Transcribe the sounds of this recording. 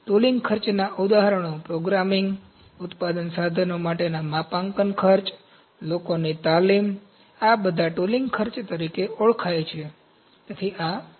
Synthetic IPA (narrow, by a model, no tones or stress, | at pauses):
ʈolĩŋɡkʰəɾt͡ʃnaʔud̪aɦəɾəɳ̃opɾoɡɾamiŋɡ | ʊt̪pad̪ənsad̪ʱənomaʈenamapãŋkənkʰəɾt͡ʃ | lokonit̪alim | abəd̪ʱaʈoliŋɡkʰəɾt͡ʃt̪əɾikeoɭkʰajt͡ʃʰe | t̪et̪ʰia